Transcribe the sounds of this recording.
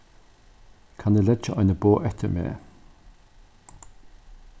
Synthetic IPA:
kʰaneːlɛdd͡ʒəʔɑɪnəboːʔɛt̪ʰə̰mḛː

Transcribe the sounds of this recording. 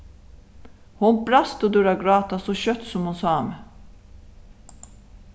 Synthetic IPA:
hʊnbɾɑst̪od̪ʉɾɑɡɾɑːt̪asɔɕœt̪sɔmhʊnsɑːm

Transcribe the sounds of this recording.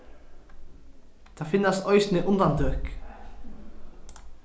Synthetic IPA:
t̪ʰafɪnːast̪ɔʏsnɪʔʊnd̪and̪øːk

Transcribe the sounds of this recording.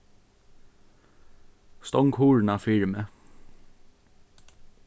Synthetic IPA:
st̪ɔŋkhuːɹnafɪɹmə

